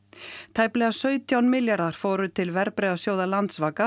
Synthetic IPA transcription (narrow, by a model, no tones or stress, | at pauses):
t̪ʰaːjplɛɣasœːɥt̪ʰjawnmɪljaɾðaɾ̥foːɾʏt̪ʰɪlvɛɾpɾeːðasjoːwðalant̪svaːka